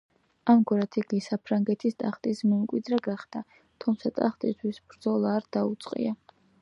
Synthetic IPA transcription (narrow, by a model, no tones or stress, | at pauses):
amɡuɾat̪ʰiɡisapʰɾaŋɡɛt̪ʰist̪ʼaχt̪ʼismɛmkʼwid̪ɾaɡaχd̪a | t̪ʰumt̪sʰat̪ʼa̰χt̪ʼist̪ʰwisbɾd̪zɔlˠaːɾd̪̥aut̪sʼqʼḭa